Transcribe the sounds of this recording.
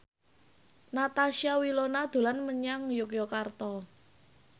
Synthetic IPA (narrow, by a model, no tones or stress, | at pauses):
nat̪aʃiawilonad̪̥o̤lanməɲaŋjokjokart̪ɔ